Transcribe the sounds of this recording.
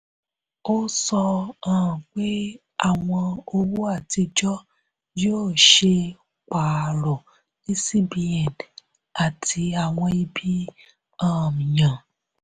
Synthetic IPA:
o˦sɔ˧ãː˦˨k͡pe˦ | a˨wʷɔ̃˧o˦wu˦a˦˨ti˧d͡ʒɔ˦ | d͡ʒi˦o˦˨ʃe˧ | k͡pa˨ɾɔ˨ | i˦si˦bi˨ɛ˨d | a˨tʰi˧a˨wɔ̃˧i˦bi˦ | ãː˦˨m˨ɲã˨

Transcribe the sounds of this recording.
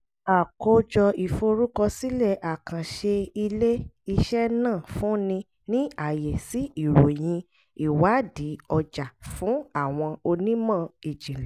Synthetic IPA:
a˨ko˧˦d͡ʒɔ˧i˨fo˧ɾu˦kɔ˧si˦lɛ˦˨ʔa˨kã˨ʃe˧i˧le˦i˧ʃɛ˦nãː˦˨fũ˨˦nĩ˧ | nĩ˦a˦˨je˨si˨˦i˦˨ɾo˨j̃ĩ˧ | i˦˨wa˨˦di˨˦ɔ˧d͡ʒa˨fũ˨˦a˦˨w̃ɔ̃˧o˧nĩ˦mã˦˨i˨d͡ʒĩ˨lɛ˨

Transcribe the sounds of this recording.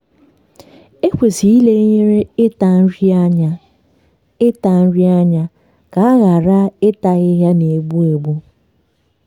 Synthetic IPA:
e˦kʷe˨zi˨i˦le˦ɲe˦ɾe˦ɪ˦ta˨n̩˦ɾi˦a˦ɲa˦ | ɪ˦ta˨n̩˦ɾi˦a˦ɲa˦ | ka˨a˦ɣa˨ɾa˦ɪ˦ta˨ɣɪ˦ɦja˦ne˨ɡ͡bu˦e˨ɡ͡bu˦

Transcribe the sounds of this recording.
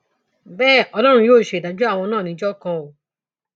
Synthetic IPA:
bɛː˦˨ɔ˧lɔ˦ɾ̃ũ˧joː˦˨ʃe˧˨da˨˦d͡ʒu˦a˦˨w̃ɔ̃˧nãː˦˨nĩ˧˦d͡ʒɔ˦kã˧o˨

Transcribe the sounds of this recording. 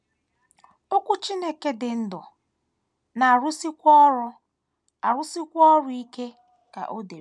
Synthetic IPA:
o˦kʷu˦t͡ʃi˦ne˦ke˦dɪ˨n̩˦dɔ˨ | na˨ɾʊ˦si˦kʷɔ˦ɾʊ˦ | a˨ɾʊ˦si˦kʷɔ˦ɾʊ˦i˦ke˦ | ka̰˨ʔo˦de˨˦

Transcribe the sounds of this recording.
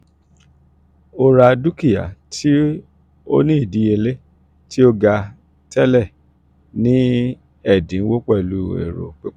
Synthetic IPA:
o˧ɾa˧du˦ki˦˨ja̰˨tʰi˦ | o̰˦nĩ˦i˦˨di˨˦e˧le˦ | tʰi˦o˦ɡa˧ | tɛ˦lɛ˦˨ | nĩ˦ | ɛ˦˨dĩ˨˦wo˦k͡pɛ˦˨lu˦ḛ˨ɾo̰˨k͡pe˦

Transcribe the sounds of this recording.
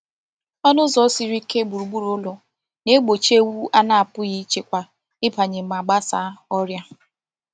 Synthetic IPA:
ɔ˦nʊ˦zɔ˨˦si˨ɾi˦ke˦bu˨ɾu˨ɡ͡bu˦ɾʊ˦lɔ˨ | ne˦ɡ͡bo˨t͡ʃe˦wu˦a˦na˦a˨pʊ˦ɣi˦t͡ʃe˦kʷa˨ | ɪ˦pa˨ɲe˨m̩˨ma˨ɡ͡ba˦sa̰˦ɔ˦ɾja˦

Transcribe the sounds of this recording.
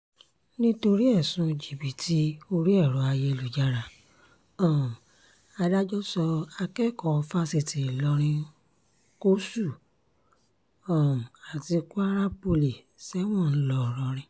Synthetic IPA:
nĩ˦to˧ɾi˦ɛ˦˨sũ˧d͡ʒi˨bi˨tʰi˦o˧ɾi˦ɛ˦˨ɾɔ˨˦a˧je˧lu˨d͡ʒa˧ɾa˨ | ɔ̃˨ | a˧da˦d͡ʒɔ˦sɔ˧a˧kɛ˦˨kɔ̃˧fa˦se˧˨ti˨lɔ˧ɾ̃ĩ˧ | ko˦su˦˨ | ɔ̃˨a˨ti˧ku˦a˦ɾa˦po˧li˨ | sɛ˦w̃ɔ̃˦˨n̩˦lɔ˧˦˨ɾɔ˧ɾ̃ĩ˧

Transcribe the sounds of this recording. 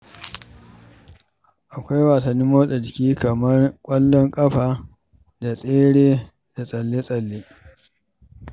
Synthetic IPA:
ʔa˨kʷa˦jwaː˨sɐ˨nːiː˦moː˦sʼɐ˨d͡ʒɪ˨kʲiː˦kɐ˨mɐ˦rkʷʼɐ˦lːɔ˦ŋkʼɐ˦ɸaː˨ | da˨sʼeː˦ɽeː˦ | d̥a˨sʼɐ˨lːe˦sʼɐ˨lːe˦

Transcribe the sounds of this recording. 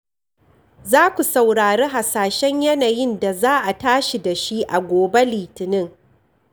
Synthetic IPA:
zaː˦kʷu˨sa˨wɽaː˨ɽeː˦ɦa˨saː˨ʃɛ˦ɲjɐ˦naː˨jɪ˦nda˨zaː˦ʔa˨taː˦ʃi˨da˨ʃi˦ʔa˨ɡʷoː˨be˦liː˨tɪ˨nɪ˦ŋ

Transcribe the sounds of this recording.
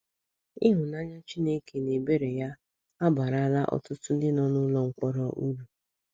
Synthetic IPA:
ɪ˦ɦʊ˨na˦ɲa˦t͡ʃi˦ne˦ke˨ne˨be˦ɾe˨ja˦ | a˦ba˨ɾa˨a˦la˦ʔɔ̰˨tʊ˦tʊ˦n̩˦dɪ˦nɔ˨nʊ˦lɔ˦ŋ̩˨kʷɔ˦ɾɔ˦ʔu˦ɾu˨

